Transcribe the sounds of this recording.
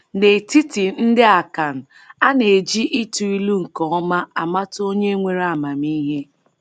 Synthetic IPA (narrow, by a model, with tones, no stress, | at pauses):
ne˨ti˦ti˨n̩˦dɪ˦a˨ka˨n̩˨ | a˦ne˨d͡ʒi˦ʔi˦tu˨i˦lu˦ŋ̩˨kɔ˨ɔ˦ma˦a˨ma˦to˦ɲe˦ŋʷe˨ɾa˨ma˨mi˦ɦe˦